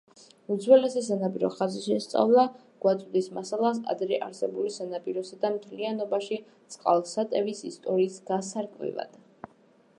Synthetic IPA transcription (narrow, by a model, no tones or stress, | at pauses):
ud̪zwɛlɛsɛs̬anapʼiɾɔ̰χaziʃɛst̪sʼa̰vlˠa | ɡ̥wat̪ʼud̪ismasalˠas̬a̰d̪ɾɛʔaɾsɛbulisanapʼiɾɔsad̪amt̪ʰlianɔbaʃit̪sʼqʼa̰lˠsat̪ʼɛvisist̪ʼɔɾiːsɡasaɾkʼvḭva̰d̪̥